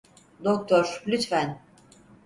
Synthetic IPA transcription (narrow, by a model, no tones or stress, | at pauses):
d̪ok̚t̪ʰoɾlʲyt̪fæn